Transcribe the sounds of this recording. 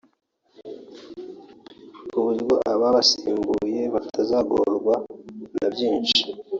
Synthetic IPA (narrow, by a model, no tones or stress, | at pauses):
kuβuɾiɡoʔaβaβasiːŋɡuje̞βafatazaːɡo̰ɾɡwanabjiːnʃi̥